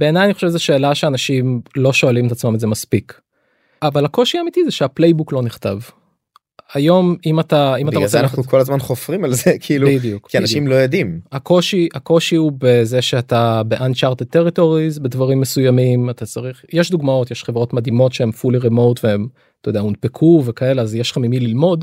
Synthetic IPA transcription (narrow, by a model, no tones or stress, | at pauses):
b̥e̞ːnajaniχo̞ʃevzeʃe̞ːlaʃeanaʃimlo̞ʃo̞alimet̪at͡smamedzemaspik | avalako̞ʃiamitizeʃeaplejbuklo̞niχt̪av | ajo̞mimat̪aimat̪aʁeannaχnukʰolazmanχofʁimalzekʰiilubidijukianaʃimlojod̪imako̞ʃiako̞ʃiubezeʃeat̪abe̞ʔandt͡ʃaʁted̚t̪eʁito̞ʁizbedvaʁimːesujamimat̪at͡saʁiχjeʃd̪uɡmao̞t̪jeʃχevʁo̞tmad̪imo̞tʃeemfuliʁemo̞wtveem | t̪ajd̪eamunpekʰuvekae̞leazjeʃlχamimililmo̞d